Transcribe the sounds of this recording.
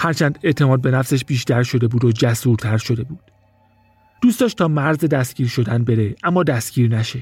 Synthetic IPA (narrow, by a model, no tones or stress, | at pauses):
hæɾt͡ʃʰæːnd̪e̞ʔt̪ʰe̞mɒːd̪be̞næfse̞ʃbiːʃt̪ʰæɾʃo̞d̪e̞buːd̪od͡ʒæsuːɾt̪ʰæɾʃo̞d̪e̞buːd̪̥ | d̪̥uːst̪ɒːʃtt̪ʰɒːmæɾzed̪æst̪ɡ̥iːɾʃo̞d̪ænbe̞ɾeʔæmːɒːd̪æst̪ɡ̥iːɾnæʃe̞